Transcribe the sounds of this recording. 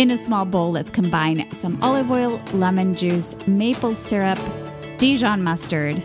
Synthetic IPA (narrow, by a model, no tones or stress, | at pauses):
ɨ̃nɨsmɔlˠboʊlˠðɨtskʰə̃m̩bãɪ̃nsʌ̃mɑlˠəvɔɪl̩ˠlɛmɨ̃nd͡ʒʉz | meɪpl̩ˠsɪɹɨp̚ | d̥iʒɑ̃nmʌstə˞d̥